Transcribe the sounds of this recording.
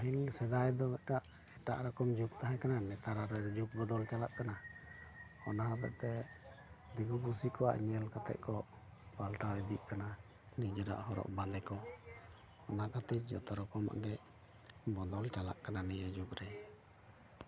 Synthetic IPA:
hilsɛd̪ajd̪ɔmɛɖaʔ | ɛʈa̰ʔɾakɔmd͡ʒuk̚t̪aɦɛkananɛt̪aɾaɾɛd͡ʒuk̚bɔd̪ɔlt͡ʃalaʔkana | ɔnaɦat̪ɛ̰ʔt̪ɛ | d̪iɡupusikɔa̰ʔɲɛlkat̪ɛ̰ʔ̚kɔ | palʈaɛd̪iʔ̚kana | nid͡ʒɔɾa̰ʔɦɔɾɔ̰ʔbalɛkɔ | ɔnakat̪id͡ʒɔ̰t̪ɔɾɔkɔma̰ʔɡɛ | bɔd̪ɔlt͡ʃala̰ʔkananɛjad͡ʒukɾɛ

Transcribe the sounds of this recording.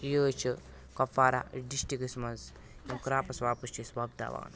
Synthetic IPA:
jəːt͡ʃʰɐ | kɐfaːɾa̰ɖiʃʈikismɐz | jɐmkɾaːpɐswaːpust͡ʃʰisʋaːb̚d̪a̰ːʋa̰ːn

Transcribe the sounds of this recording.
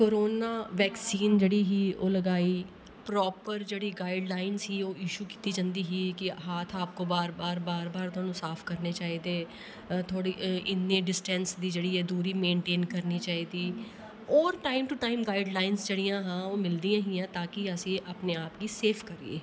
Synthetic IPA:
koːɾoːnaːʋɛːksiːnd͡ʒeːɽiːɦiːoːləɡaːiː | pɾɔːpəɾd͡ʒeːɽiːɡaːɪɖlaːɪnzɦiːoːɪʃuːki̥ːt̪iːd͡ʒãːnd̪iːɦiːkɪɦaːt̪ʰaːp̚koːbaːɾbaːɾbaːɾbaːɾt̪ʊaːnũːsaːpʰkəɾneːt͡ʃaːiːd̪eː | t̪ʰoːɽiːʔɪnːẽːɖɪsʈɛnsd̪iːd͡ʒeːɽiːɛːd̪uːɾiːmẽːɳʈeːnkəɾniːt͡ʃaːiːd̪iː | ɔːɾʈaːɪmʈuːʈaːɪmɡaːɪɖlaːɪnsd͡ʒeːɽijãːɦãːoːmɪld̪iːãːɦĩːãːt̪ãːkɪəsĩːʔaːpneːaːpɡiːseːpʰkəɾḭḛː

